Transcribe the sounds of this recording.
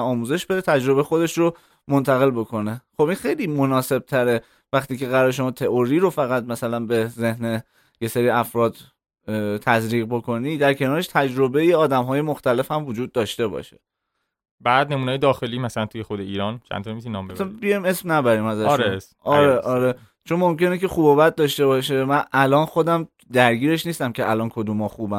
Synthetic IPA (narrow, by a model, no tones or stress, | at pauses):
ɒːmuːze̞ʃb̥e̞d̪et̪ʰæd͡ʒɾo̞bexo̞d̪e̞ʃɾo | mo̞nt̪ʰæɣe̞lbo̞kʰo̞ne̞xo̞binxe̞jliːmo̞nɒːse̞b̥̚t̪ʰæɾe̞ | væxχt̪iːce̞ɣæɾɒːɾeʃo̞mɒːt̪ʰe̞ʔoɾiːɾo̞fæɣæt̪̚mæsælænbe̞ze̞hne | je̞seɾiːæfɾɒːd̪ | t̪ʰæzɾiːɣbo̞kʰo̞niːd̪æɾcʰe̞nɒːɾe̞ʃt̪ʰæd͡ʒɾo̞be̞jeɒːd̪æmɦɒːje̞moxt̪æle̞fhæmvod͡ʒuːd̪̚ːɒːʃt̪e̞bɒ̰ːʃe̥ | bæːd̪nemuneːjed̪ɒːxe̞liːmæsælænt̪ʰujexod̪eiːɾɒːnt͡ʃʰæ̰nt̪onemisinɒːmbet̪bijɒjme̞smnæbæɾiːmæzæʃɾes | ɒɾeʔɒɾe | t͡ʃʰo̞nmo̞mce̞necʰe̞xuːbɒːbæt̪̚d̪ɒːʃt̪e̞bɒːʃ̬e̞mænʔælɒːnxo̞d̪æm | d̪æɾɟiːɾe̞ʃniːst̪æmcʰe̞ʔælɒːnkʰod̪umɒxuːbæm